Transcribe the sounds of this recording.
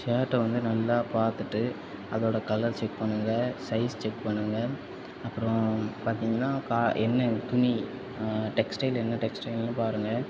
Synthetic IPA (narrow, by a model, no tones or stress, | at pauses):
saːʈːɐʋɐnd̪ɯnɐlːaːpaːɾt̪ɯʈːɯ | ɐðoːɽɐkɐlːɐlt͡ʃɛk̚pɐɳːɯŋɡɐsɐɪst͡ʃɛkpɐɳːɯŋɡɐ | ɐpːɯɾɔ̃paːɾt̪iːŋɡɐnːaːkaːʔɛnːɐt̪ʊni | ʈɛksʈɐɪlɛnːɐʈɛksʈɐɪlnːɯpaːɾɯŋɡɐ